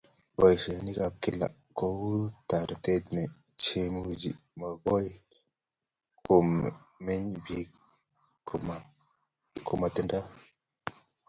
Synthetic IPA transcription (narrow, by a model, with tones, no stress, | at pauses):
bo˨jfe˨ni˦ka˨p̚ki˦lːa̰˨ | ko˦wu˦t̪a˨ɾt̪e˦d̪ne˨ | t͡ʃe˨mu˨d͡ʒḭ˨ | ma˨ɡo˦j | ku˨mme˦ɲbi˦k | kʰu˨ma˨t̪i˨nda˦